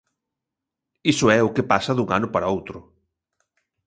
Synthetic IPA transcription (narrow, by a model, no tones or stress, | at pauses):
isʊɛʊkepasɐðuŋa̰nʊpaɾaowt̪ɾʊ